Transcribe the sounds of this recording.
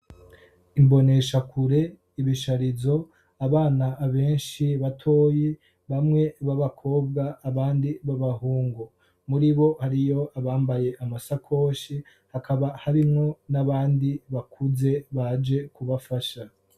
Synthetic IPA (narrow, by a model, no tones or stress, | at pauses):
imbo̞ne̞ʃakʰuɾe̞ | iβiʃaɾizo̞ | aβaːnaʔːβe̞ːnʃiβatʰo̞ːje | βamŋe̞βaβakʰo̞ːbɡaːβaːndiβaβahuːŋɡo | muɾiβo̞haɾijo̞ʔaβaːmbaje̞ʔamasakʰo̞ːʃi | hakʰaβahaɾimŋo̞naβaːndiβakʰuze̞βad͡ʒe̞kuβafaʃa